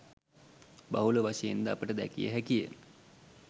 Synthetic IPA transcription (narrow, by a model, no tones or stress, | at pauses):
baɦuləʋaʃejend̪əapəʈəd̪æ̰kijə̰ɦækijə